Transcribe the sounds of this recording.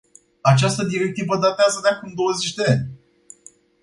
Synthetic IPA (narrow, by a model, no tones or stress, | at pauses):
at͡ʃast̪əd̪iɾek̚t̪ivəd̪at̪eazəd̪eakumd̪o̞wəzet͡ʃʲd̪eanʲ